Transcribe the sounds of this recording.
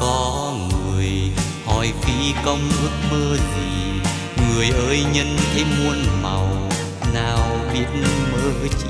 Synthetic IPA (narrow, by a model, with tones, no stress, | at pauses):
kɔ˨˦ | ŋɨ˨˩əj | hɔ˨˩jfi˧˥kə˧wŋ͡mʔɨ˦˥ək̚məː˧zi˨˩ | ŋɨ˨˩əjʔəː˨˦jɲə˧˥nt̪ʰe˨˦mu˧ənma˨˩w | naː˨˩wɓi˧˥ənməː˨˦t͡ɕ